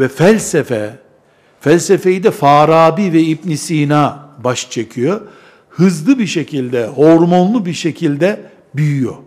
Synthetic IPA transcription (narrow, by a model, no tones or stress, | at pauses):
vɛfælʲsɛfɛ | fælʲsefe̞jid̪ɛfaːɾaːbiːvɛip̚nisiːnabaʃt͡ʃʰecʰyjo | hɯzlˠɯbiɾʃe̞cʰilʲd̪ɛho̞ɾmo̞nlˠubiɾʃe̞cʰilʲd̪ɛ | byjyjo̰